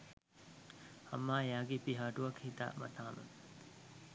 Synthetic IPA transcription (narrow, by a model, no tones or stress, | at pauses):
hɐ̰mːaːjaːɡipiɦaːʈuɐkhit̪a̰mɐ̰t̪ʰaːmṵ